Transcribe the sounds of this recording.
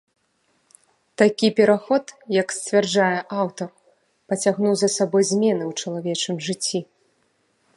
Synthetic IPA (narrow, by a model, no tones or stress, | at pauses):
t̪akʲipʲɛɾaxɔt̪jɐksʲt͡sʲvʲard͡ʐajɛʔawt̪ɐr | pɐt͡sʲaɣnuwzɐsabɔjzʲmʲɛnɨwt͡ʂɐlˠavʲɛt͡ʂɨmʐɨt͡sʲːi